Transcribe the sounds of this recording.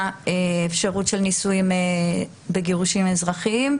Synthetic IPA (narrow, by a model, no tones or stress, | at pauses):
eefʃaʁutʃelnisujime | beɡeʁuʃimezʁaχim